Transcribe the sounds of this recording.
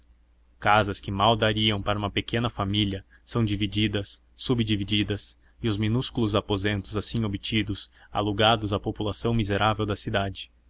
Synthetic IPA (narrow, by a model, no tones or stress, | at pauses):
kazɐskɪmawd̪aɾiɐ̃w̃paɾɐũmɐpekẽnɐfamiljɐ | sɐ̃w̃d͡ʒivid͡ʒid̪ɐsː | ubd͡ʒiviid̪ɐs | ɪʊzminuskulʊzapozẽnt̪ʊzasĩobit͡ʃid̪ʊsa̰luɡad̪ʊzapopulasɐ̃w̃mizeɾʔavewd̪ɐsid̪ad͡ʒɪ̥